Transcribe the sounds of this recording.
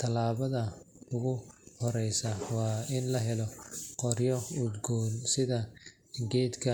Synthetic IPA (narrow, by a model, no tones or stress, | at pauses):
t̪ʰɐlaːβɐðɐʊɣʊhɔɾɛjsɐwɑːɪnlɐɦɛlɔqɔrjɔʊd̪ɡɔːnsɪðɐ | ɡɛːd̪kʰɐ